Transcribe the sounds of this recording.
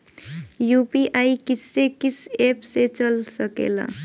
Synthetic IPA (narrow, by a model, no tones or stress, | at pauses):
jupiʔaikisːekisepset͡ʃəlsəkḛla̰